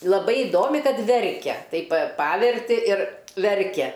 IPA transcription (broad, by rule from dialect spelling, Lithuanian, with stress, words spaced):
lˠɐˈbɐɪ ɪˈdoːmʲɪ ˈkɐt ˈʋʲɛrʲkʲɛ ˈtɐɪp pɐ ˈpɑːʋʲɛrʲtʲɪ ɪr ˈʋʲɛrʲkʲɛ